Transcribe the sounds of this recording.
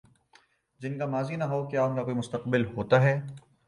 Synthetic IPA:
d͡ʒɪnkamaːzinɐɦokjaːʊnkakoːimʊst̪ɐqbɪlɦoːt̪aɦɛː

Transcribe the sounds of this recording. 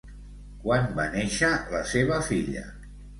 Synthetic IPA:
kwanbaneʃələseβəfiʎə̰

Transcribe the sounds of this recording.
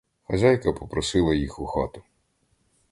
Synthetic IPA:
xɐzʲajkɐpɔpɾɔsɪlˠɐjixʊxɑ̰t̪ʊ̥

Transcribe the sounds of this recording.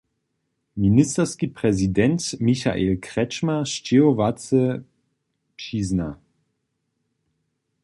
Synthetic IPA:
ministəʁskipʁɛzidɛntmiça̰ʔelkʁɛt͡ʃmaʃt͡ʃeovat͡sə | pʃiːzna

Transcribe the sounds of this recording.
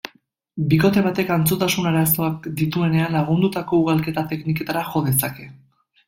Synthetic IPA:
biko̞t̪e̞βat̪e̞kant͡sot̪asunaɾaso̞ak̚d̪it̪ue̞ne̞anlaɣ̞und̪ut̪ako̞uɣalke̞t̪at̪e̞knike̞t̪aɾaʝo̞ðe̞sake̞

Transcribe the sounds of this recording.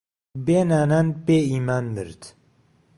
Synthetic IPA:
beːnaːnanpeːiːmaːnmɨ̰ɾt̪

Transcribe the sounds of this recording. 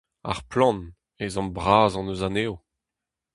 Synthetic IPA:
a̰ʁplɑ̃n | ezɑ̃mbʁaːzɑ̃nøzaneːo

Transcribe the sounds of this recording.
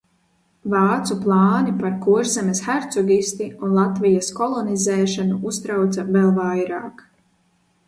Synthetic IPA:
vaːt̪suplˠɑːnipaɾkuʒzɛmɛsxaɾt̪sɔɡʲist̪iunlˠat̪vijɐskɔlˠɔnizɛːʃanuust̪ɾawt̪savɛlˠvajɾaːk

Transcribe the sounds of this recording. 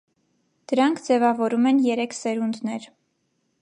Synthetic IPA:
d̪̥əɾɑŋkʰd͡zɛvɑvɔɾumɛnjɛɾɛkʰsɛɾund̪nɛɾ

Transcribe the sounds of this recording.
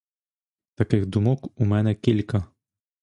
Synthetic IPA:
t̪ɐkʲɪxd̪ʊmʊkumʲɛnʲɛkʲɪlʲkɐ

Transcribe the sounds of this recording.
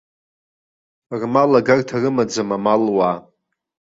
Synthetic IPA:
rmalaɡartʰarɨmad͡zamamalwaː

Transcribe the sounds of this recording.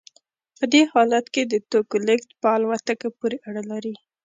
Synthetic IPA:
ppəd̪ehɑlat̪ked̪ət̪okolɪkt̪pəalwat̪əkapuɾeʔaɽalaɾi

